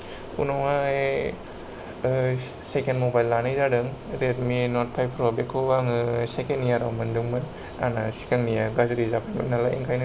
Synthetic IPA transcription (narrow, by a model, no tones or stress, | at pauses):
unɔwae | sekenmobajlːanɯjzadɯŋɾet̚minɔt̚pʰajpʰɾɔbekʰobaŋɯsekenijaɾawmɯndɯŋmɯn | a̰nasi̥kaŋnijaɡazuɾizapʰamɯ̰nalaʔḭŋkʰajnɯ